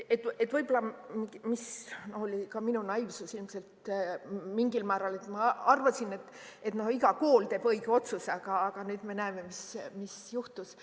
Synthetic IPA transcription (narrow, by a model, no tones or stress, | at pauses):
et̪ːet̪vɤjbolɑmimisnoholʲikɑminunɑjvsusilmse̞lt̪ | miŋɡ̥ilmæːɾɑle̞t̪ːmɑɑrvɑsine̞t̪ːˑ | e̞t̪no̞hiɡ̥ɑko̞ːlt̪e̞ːb̥ɤ̞iɡeo̞t̪susɑɡ̥ɑːɡ̥ɑnyːd̪me̞næeme̞mismisjuht̪us